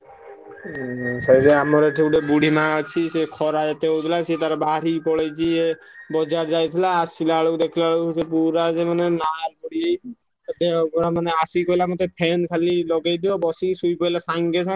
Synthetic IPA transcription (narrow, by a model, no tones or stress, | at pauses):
sazeamɔɾeʈʰiuɖebuɽʱimaat͡ʃʰisekʰɔɾad͡ʒat̪eot̪ʰilasit̪aɾabaɾipɔɽed͡ʑʰiebɔd͡ʑaɾd͡ʒajt̪ʰilaːstʰilaɭod̪ekʰilaɭosepuɾazemanenaɾkɔɽie | at̪eɔpɔɾamaneasikojlamɔt̪epʰɛnkʰalilɔɡajd̪iɔbɔsisujpɔjlasaŋɡesʰa